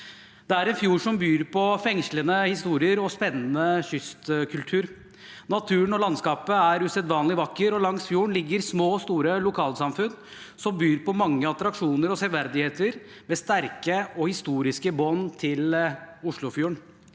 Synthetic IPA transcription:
d̪̥ɛæɾɛnfjuːʂɔmbyːɾpʰɔfɛŋʂlənəhɪst̪uːɾɪəɾɔspɛnːənəçʏst̪kʰʉlt̪ʰʉːɾ | nɑt̪ʰʉːnɔlɑnskɑːpəæɾʉsɛd̪ʋɑːnlɪʋɑkːəɾɔlɑŋsfjuːɳlɪɡːəɾsmoːst̪uːɾəlʊkʰɑːlsɑmfʉn | sɔmbyːɾpɔmɑŋːəɑt̪ɾɑkʂuːnəɾɔsɛʋæɾd̪ɪheːt̪əɾ | mɛːst̪æɾkəɔhɪst̪uːɾɪskəbɔnt̪ʰɪlʊʂɭʊfjuːɳ

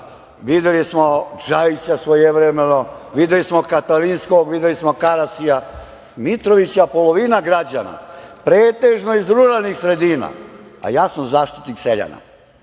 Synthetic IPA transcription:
ʋid̪elismo̞d͡ʒait͡ɕasʋojeʋɾemenoʋid̪elismokat̪alinskoɡʋid̪jelismo̞kaɾasija | mit̪ɾoʋit͡ɕjapoloʋinaɡɾad͡ʑana̰pɾeːt̪eʒnoizɾunanixsɾe̞d̪iːna̰a̰jaːsamzaːʃt̪i̥t̪nikseʎa̰na̰

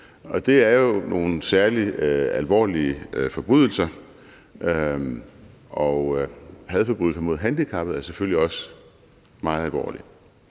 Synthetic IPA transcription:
ɒ̽d̥e̝æɐjo̝no̝ːn̩sæɐliælʋɒ̰ːliəfɒ̽b̥ʁuðˠl̩sɐ | ʔø | ʔɒ̽hæð̩ˠfɒ̽b̥ʁyɡ̥ɐmo̝ð̞̰ˠɦænd̥ikʰɑ̈b̥ð̩ˠæɐseføl̰liɒ̽sə | mɑ̈ːð̩ˠælʋɒ̰ːli

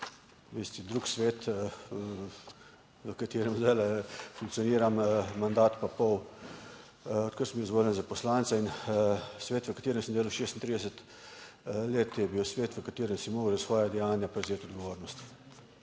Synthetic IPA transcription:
ʋest̪id̪ɾuːksʋeːt̪ | ʋəkat̪eːɾɛmzalɛfuŋk̪̚sijɔniːɾammand̪aːt̪papɔw | ɔt̪̚kəɾsəmbizʋoːljənzapɔslaːnt̪sɛin | sʋeːt̪ʋəkat̪eːɾɛmsəmnd̪eːlawʃeːst̪int̪ɾiːd̪ɛsət̪ | leːt̪jɛbiːwsʋeːt̪ʋəkat̪eːɾɛmsimoːɡəlasʋɔːjad̪ɛjaːnjapɾɛzeːt̪ɔd̪ɡɔʋoːɾnɔst̪

